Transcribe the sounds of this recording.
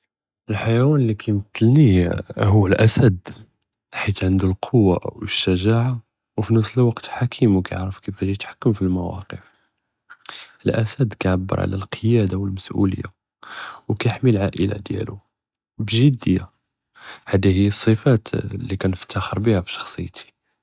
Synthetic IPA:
ʔəlħajæwænlːikʰæjmət̪ːəlnihuəlʔæsæd̪ | ħit̪ʕənd̪ulqʰowːa̰ʔwəʃːæʒaʕa | wfinəfsəlwɑqt̪ħakʰimwkæjʕɾəfkifæʒijt̪ħḁkːəmfilmæwɑ̰qəf | əlʔæsæd̪kæʕabːə̰ɾˤʕa̰læ̰lqʰəjæd̪awəlməsʔṵlə̰jːa̰ | wkæjəħmilʕaʔəla̰d̪jæ̰lu | bʒid̪ːəjæ | hæd̪ihəjːəsˤːəfæt̪lːikænəft̪ːɑxəɾbihæfi̥ʃɑ̥xsˤəjt̪ʰi̥

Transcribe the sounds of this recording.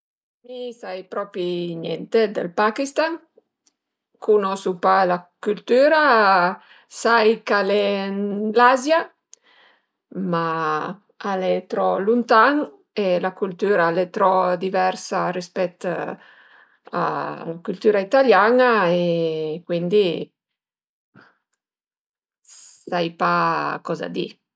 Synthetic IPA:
misajpɾɔːpɾinjɛ̰nt̪ed̪ḛlpakist̪aŋ | kunosupalakult̪yːɾa | sajkalenlazja | ma | alet̪ɾɔlunt̪aŋ | elakult̪yːɾaalet̪ɾɔd̪ivɛɾsarispɛt̪ | a̰lakult̪yːɾait̪aljanaekwind̪i | sajpakɔza̰d̪ḭ

